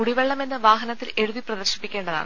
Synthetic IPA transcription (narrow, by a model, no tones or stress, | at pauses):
uɽiʋeɭːɐme̞nːɐʋaːɦɐnɐt̪ːilʔe̞ɻuðiprɐðɐrɕɐ̥pːikʲːeːɳɖɐða̰ːɳɨ